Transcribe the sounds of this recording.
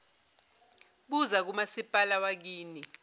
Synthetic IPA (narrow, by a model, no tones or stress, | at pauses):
ɓuzak̬umasipʼalawak̬iːni